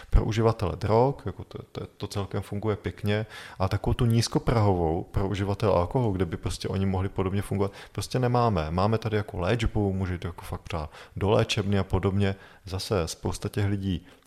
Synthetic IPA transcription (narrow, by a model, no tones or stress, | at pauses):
pɾoʔuʒɪvat̪ɛlɛ̰dɾokjakot̪t̪ɛt̪ot͡sɛlkɛmfuŋɡujɛpjɛkɲɛʔat̪akovowt̪uɲiːsko̞pɾaɦo̞vo̞wpɾoʔuʒɪvat̪ɛlɛ̰ʔa̰lko̞ɦoluɡdɛbɪpɾo̞scɛʔo̞̰ɲɪmoɦlɪpo̞do̞bɲɛfuŋɡovat̪pɾoscɛnɛmaːmɛmaːmɛt̪adɪjakolɛːd͡ʒbumuːʒɛit̪ojakofak̚tpaːdolɛ̰ːt͡ʃɛbnɪapo̞do̞bɲɛ | zasɛspowst̪acɛxlɪɟiː